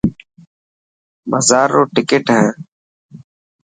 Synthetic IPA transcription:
məzaːɾoːʈɪkeʈɦɛ̃ː

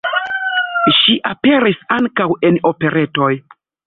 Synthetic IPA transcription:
ʃiʔapeɾisaŋkaweno̞pe̞ɾʔe̞to̞j

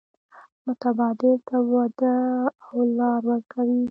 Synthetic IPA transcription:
mʊt̪abɑd̪ɪlt̪awad̪əawlɑɾwəɾkawi

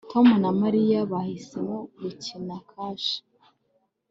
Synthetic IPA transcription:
tomunamaɾijaβahisemoɡucinakʰaːʃi̥

